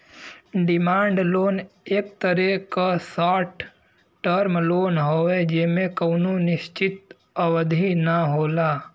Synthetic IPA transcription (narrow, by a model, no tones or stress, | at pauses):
ɖɪmaːɳɖloːneːk̚t̪əɾekasaːʈ | ʈːəɾmloːnɦoːed͡ʒɪmẽkɐːnonɪʃt͡ʃɪt̪ | əwəd̪ʱinaɦoːlaː